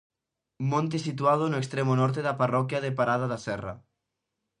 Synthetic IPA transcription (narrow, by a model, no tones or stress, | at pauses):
mõnt̪esit̪uað̞onoekst̪ɾemonɔɾt̪eðaparɔkjaðepaɾaðaðasɛra̰